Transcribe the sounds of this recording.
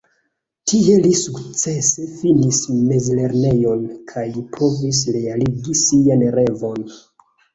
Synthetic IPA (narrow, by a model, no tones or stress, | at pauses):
tʰie̞lisukt͡se̞se̞finisme̞zle̞ɾne̞jo̞nkʰajpʰo̞vis̬ɾe̞aliɡisianɾe̞vo̞n